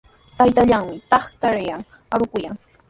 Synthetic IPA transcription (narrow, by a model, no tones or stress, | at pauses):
t̪ajt̪aʎaŋmɪt̪ɑχt̪aɾɪjaŋ | aɾʊkʊjaŋ